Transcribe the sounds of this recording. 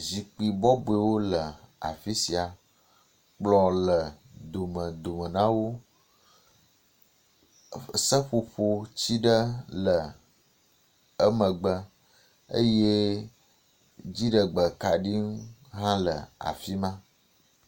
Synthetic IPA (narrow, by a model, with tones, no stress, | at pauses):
zi˨k͡pi˨bɔ˦bo˨e˨wo˦lə˨a̰˨fi˦si˨a˨ | k͡plɔ̃˨lə˨d̪o˨mə̃˨d̪o˨mə̃˨nã˦wo˦˨ | sə˦ɸo˨ɸo˦t͡ɕi˦ɖə˦lə˨ | ə˦mə̃˨ɡ͡bə˦ | ə̰˦je˦ | d͡ʑi˦ɖə˨ɡ͡bə˨ka˨ɖi˦ŋ˦ɦã˦lə̰˨a̰˨fi˦mã˦